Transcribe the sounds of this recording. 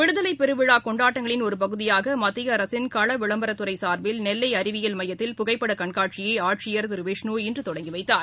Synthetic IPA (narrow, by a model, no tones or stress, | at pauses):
ʋɪɽɯðɐlɐɪpːɛɾɯʋɪɻaːkɔɳɖaːʈːɐŋɡɐɭɪnɔɾɯpɐɣɯðɪjaːɣɐmɐt̪ːɪɣɐːɾɐsɪnkɐɭɐʋɪɭɐmbɐɾɐt̪ːɯɾɐɪsaːɾʋɪlnɛlːɐɪɐɾɪʋɪjɐlmɐjɐt̪ːɪlpʊɣɐɪpːɐɽɐkɐɳkaːʈ̚t͡ʃɪjeːaːʈʂɪjɐɾt̪ɪɾʋeːʂnuːɪndrɯt̪ɔɽɐŋɡɪʋɐɪt̪ːaːɾ